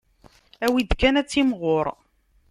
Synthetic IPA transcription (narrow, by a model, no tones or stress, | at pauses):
æwid̪kænæt͡sːimʁoɾˤ